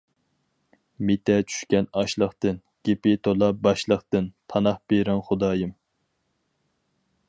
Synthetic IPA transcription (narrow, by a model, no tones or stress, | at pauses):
met̪ʰɛt͡ʃʰy̥ʃkʲɛnɑʃlˠəχt̪ɨn | ɡ̥ʲepɪt̪ʰolˠɑp̚bɑʃlˠəχt̪ɨnt̪ʰɑnɑχb̥eɾɛnχʊd̪ɑːjɨm